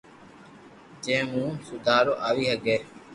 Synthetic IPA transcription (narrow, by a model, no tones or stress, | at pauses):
d͡ʒẽːmũːsʊd̪ʱaːɾoːʔaːʋiːɦəɠeː